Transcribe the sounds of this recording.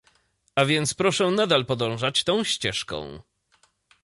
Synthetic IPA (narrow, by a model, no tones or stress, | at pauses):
avʲjɛnt̪spɾɔʂɛnad̪alpɔd̪ɔ̃w̃ʐat͡ɕt̪ɔ̃w̃ɕt͡ɕɛʂkɔ̰̃w̃